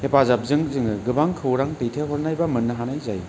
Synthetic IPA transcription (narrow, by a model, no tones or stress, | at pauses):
hepazap̚zɯŋzɯŋɯɡɯbaŋkʰɯwɾaŋtɯjtʰeɦɔɾnajbamɯnːɐɦanajzaj